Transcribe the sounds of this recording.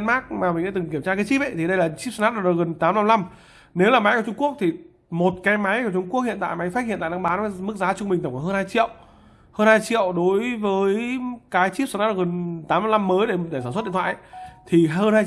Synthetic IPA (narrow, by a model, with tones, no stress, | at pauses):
nmaː˦˥k̚maː˨˩mï̟˨˩ɗa̰ː˧˦˥ɨ˨˩ŋki˧˩əmt͡ɕaː˧kaː˨˦jt͡ɕi˦˥p̚ʔə˦jt̪ʰi˨˩ɗə˧jlaː˨˩t͡ɕi˦˥p̚sa˧nʔaː˦˥ɗɔ˧˩ɗ̚ɣə˨˩nt̪aː˨˦mna˧mla˧m | ne˨˦wlaː˨˩ma˨˦jkə˧˩t͡ɕʊ˧ŋ͡mku˦˥ək̚t̪ʰi˨˩ | mo˨˩t̚kaː˨˦jma˨˦jka˧˩t͡ɕʊ˧ŋ͡mku˦˥k̚hḭ˧˨nt̪a̰ː˧˨jma˨˦jfaː˦˥t̚hḭ˧˨na̰ː˧˨la˧ɓaː˨˦n˨˦mɨ˦˥k̚zaː˨˦t͡ɕʊ˧ŋ͡mmï̟˨˩ə˧˩kːɦəː˧nhaː˧jt͡ɕḭ˧˨əw | həː˧nhaː˧jt͡ɕḭ˧˨əwɗo˨˦jvəː˨˦jkaː˨˦jt͡ɕi˦˥p̚sna˦˥ɗ̚ɣə˨˩nt̪aː˨˦mna˧mna˧mːəː˨˦jɗe˧˩˨e˧˩saː˧˩sw̚ɗi˧˨t̪ʰwa̰ː˧˨ʔt̪ʰi˨˩ɦəː˧nhaː˧j